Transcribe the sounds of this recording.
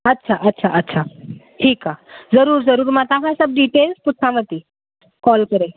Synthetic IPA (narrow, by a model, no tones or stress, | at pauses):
ətːɕʰaʔətːɕʰaʔətːɕʰa | ʈʰiːkːad͡zəɾuːɾd͡zəɾuːɾmãt̪aɦasəb̚ɖiʈelsput̪ʰamət̪i | kɔlkəɾe